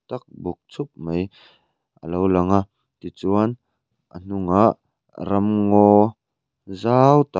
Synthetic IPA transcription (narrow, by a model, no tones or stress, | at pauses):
t̪ɐk̚buk̚t͡sʰʊp̚mɐj | ʔə̰lowlɐŋa | t̪it͡suɐn | ʔə̰n̥uŋaʔ | ɾɐmŋɔ | zawt̪a